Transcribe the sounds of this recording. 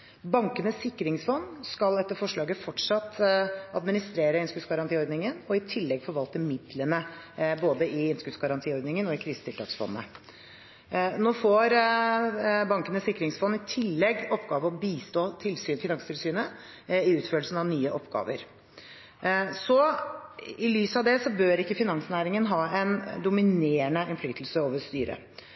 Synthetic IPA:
bɑŋkənəsɪkːɾɪŋsfɔnːskɑlɛt̪ːəɾfɔʂɭɑːɡəfɔʈʂɑt̪ːɑd̪mɪnɪst̪ɾeːɾəɪnskʉt̪sɡɑɾɑnt̪iːɔɾd̪nɪŋənɔɪt̪ʰɪlːɛɡfɔɾʋɑlt̪əmɪd̪lənə | boːd̪əʔɪɪnskʉtsɡɑɾɑnt̪ʰiːɔɾd̪nɪŋənɔɪkʰɾiːsə̥t̪ʰɪlt̪ʰɑːksfɔ̰nːə̰ | noːfɔɾ | bɑŋkənəsɪkːɾɪŋsfɔnːɪt̪ʰɪlːɛɡːɔpːɡ̥ɑːʋəɔbiːst̪oːt̪ʰɪlsyːnfɪnɑŋst̪ʰɪlsyːnə | ɪʉːt̪føːlsn̩ɑʋnyːəʔɔpɡɑ̰ːʋə̰ɾ | sɔ | ɪlyːsɑʋd̪ɛsɔbøːɾɪkːəfɪnɑŋsnæːɾɪŋənɦɑːɛnd̪ʊmɪneːəɳəʔɛnflyːt̪ʰl̩səoːʋəst̪yːɾə̰

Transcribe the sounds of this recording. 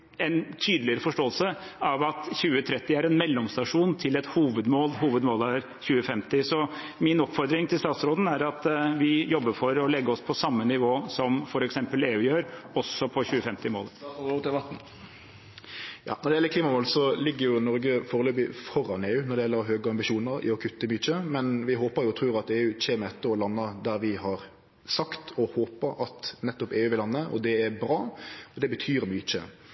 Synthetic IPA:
ɛnt̪ʰyːd̪əlɪəɾəfɔʂʈoːəlsə | ɑʋɑt̪çʉːət̪ʰɾɛt̪ːɪæɾɛnmɛlːɔmst̪ɑʂuːnt̪ʰɪlɛt̪huːʋəd̪moːlɦuːʋəd̪moːlæɾ | çʉːəfɛmt̪ɪsɔ | mɪnɔpfɔɾd̪ɾɪŋt̪ʰɪlst̪ɑːt̪sɾoːd̪ən̩æɾɑt̪ʋɪjɔbːəɾfɔɾɔlɛɡːəɾɔspʰɔsɑmːənɪʋoːsɔmfɔɾɛksɛmpəleːʉːjøːɾɔsɔpʰɔçʉːəfɛmt̪ɪmo̰ːləɪʋɑt̪n̩ | jɑ̰ːnɔd̪ɛjɛlːəkliːmɑmoːlsɔlɪɡːəɾjʊnɔɾɡəfoːɾəløːbɪfɔɾɑneːʉːnɔd̪ɛjɛlːəɾɦøːɡəɑmbɪʃuːnəɾɪ̰ɔkʰʉt̪ːəmyt͡ʃəmɛnʋɪɦoːpəɾjʊt̪ʰɾʉːɾɑt̪eːʉːc͡çeːməɛt̪ːəɔlɑnːɑd̪æɾʋɪhɑɾ | sɑkt̪ʰɔhoːpəɾɑt̪nɛt̪ːɔpeːʉːʋɪlɑnːəʔɔ̰d̪ɛæɾbɾɑːɔd̪ɛbət̪ʰyːɾmyːt͡ʃə̰

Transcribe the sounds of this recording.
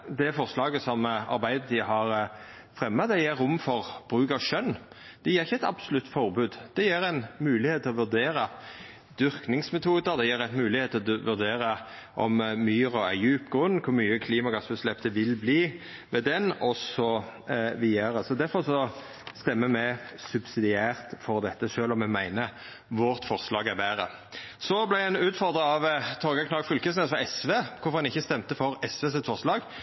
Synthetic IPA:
d̪ɛfɔɾslɑːɡəsɔmɑ̰ɾbæɪd̪ət̪ʰiɦɑɾ | fɾɛmːɑd̪ɛjeːɾʊmfɔʁb̥ɾʉːkɑʋʃœnː | d̪̥ɛjeːɾɪçːəɛt̪ɑ̰b̥sʊlʉt̪ːfɔʁbʉːd̪d̪̥ɛjeːɾæɪnmʉːlɪheːt̪ʰːɪlɔʋʉd̪eːɾɑ | d̪̥ʏɾknɪŋsmɛt̪ʰuːd̪əɾd̪ɛjeːɾɛt̪mʉːlɪheːt̪ʰːɔʋʉɾd̪eːɾəʔɔmːyːɾɔæjʉːpɡʁʉnːkʰʊɾmyːəkʰliːmɑɡɑsbəslɛpt̪əʋɪlbliː | ʋɛd̪ɛnɔsɔʋɪæɾəsɔd̪æɾfɔʁʂɔ | st̪ɛmːəmɛsʉbsɪd̪ɪæːʁt̪fɔʁd̪ɛt̪ːəʂøːlɔmɛmæɪnə | ʋʊʁt̪fɔʁslɑːɡæʁbæʁə̰ | sɔblæɪæɪnʉːt̪fɔʁd̪ʁəɑʋt̪ʰoːɡɑkʰnɑːɡfʏlkəsnɛːsfɔɛsʋeːkʰʊɾfɔʁhɑnɪçːəst̪ɛmt̪əfɔʁɛsʋeːs̬ɪt̪fɔʁslɑːɡ

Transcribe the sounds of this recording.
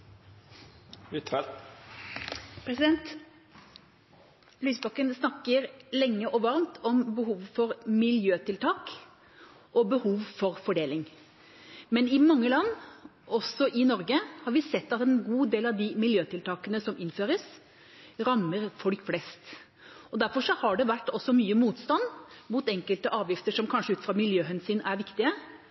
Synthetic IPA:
ɪt̪ɛl | pʰɾɛsɪd̪ɛnt̪ | lyːsbɑkːənsnɑkːəɾlɛŋːəʔɔʋɑɾmt̪ʰɔmbəhuːʋfɔɾmɪljøːt̪ɪlt̪ʰɑːk | ʔɔbəhuːʋfɔɾfɔɖeːlɪŋ | mɛnɪmɑŋːəlɑnː | ʔɔsːɔʔɪnɔɾɡəhɑɾʋɪsɛt̪ːɑt̪ɛnɡuːd̪eːlɑʋd̪ɪmɪljøːt̪ʰɪlt̪ʰɑːkənəsɔmɪnføːɾəs | ɾɑmːəɾfɔlkflɛst̪ | ɔd̪æɾfɔʂɔhɑɖɛʋæʈːɔsːɔmyːəmuːt̪st̪ɑnːmuːt̪ɛŋkəlt̪əʔɑːʋjɪft̪əʂɔmkʰɑnʂəʉːt̪fɾɑːmɪljøːɦɛnsyːnæɾʋɪkt̪ɪə

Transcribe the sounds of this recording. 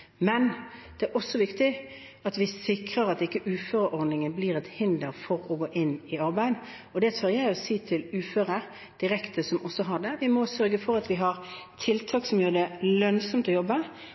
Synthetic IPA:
mɛnd̪̥ɛæɾʔɔsːɔʋɪkt̪ɪ | ɑt̪ʋɪsɪkɾəɾɑt̪ɪkːəʔʉːføːɾəʔɔɾd̪nɪŋənbliːɾɛt̪hɪnd̪əɾfɔɾɔɡoːʔɪnɪɑɾbæɪd̪ | ɔd̪ɛt̪ʰʉːjæɪɔsiːt̪ʰɪlʉːføːɾəɾ | d̪̥ɪɾɛkt̪ʰəsɔmʔɔsːɔɦɑd̪ɛʋɪmɔsœɾɡəfɔɾɑt̪ʋɪɦɑɾt̪ʰɪlt̪ʰɑːksɔmjøːɾəd̪ɛlœnsɔmt̪ɔjɔbːə

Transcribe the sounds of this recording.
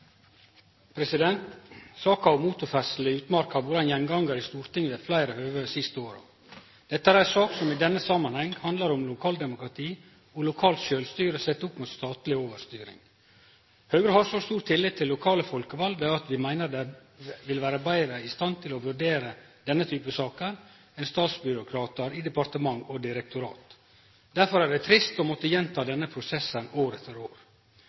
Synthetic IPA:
pʰɾɛsɪd̪ɛnt̪sɑːkɑɑʋmuːt̪ʊɾfɛsl̩əʉːt̪mɑɾkɑʋʊɾd̪ɑnjɛŋɡɑŋɡəɾɪst̪uːɾt̪ɪŋːʋeːflæɪɾəhøːɡəsɪst̪əoːɾɑ̰ | d̪̥ɛt̪ːəæːɾæsɑːksɔmɪd̪ɛnːəsɑmːɑnhɛŋːhɑnd̪lɑɾɔmlʊkʰɑːld̪ɛmʊkɾɑt̪ʰiː | ɔlʊkʰɑːlt̪ʃøːlst̪yːɾəsɛt̪ːʊpmuːt̪st̪ɑːt̪lɪoːʋəɾst̪yːɾɪ̰ŋ | hœʉɡɾəhɑʂɔst̪uːɾt̪ʰɪlːɪt̪̚ʰːɪlːʊkʰɑːləfɔlkəʋɑld̪əɑt̪ʋɪmæɪnəɾd̪ɛ | ʋɪlʋæːɾəbæɪɾəɪst̪ɑnt̪ʰɪlɔʋʉɖeːɾəd̪̥ɛnːət̪ʰyːpəsɑːkən | ɛnst̪ɑːt̪sbʏɾʊkʰɾɑːt̪əɾɪd̪ɛpɑɾt̪əmɑŋɔd̪ɪɾɛk̚t̪ʊɾɑ̰ːt̪ | d̪̥æɾfɔɾæɖɛt̪ʰɾɪst̪ɔːmɔt̪ːəjɛnt̪ʰɑːd̪ɛnːəpʰɾʊsɛsːənoːɾɛt̪əɾoːɾ

